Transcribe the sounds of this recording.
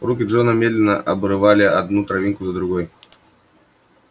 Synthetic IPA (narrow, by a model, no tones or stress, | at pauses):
rukʲid͡ʐɔnɐmʲɛd̪lʲɛnɐʔɐbɾɨvalʲiad̪nut̪ɾavʲinkuzɐd̪ɾuɣɔj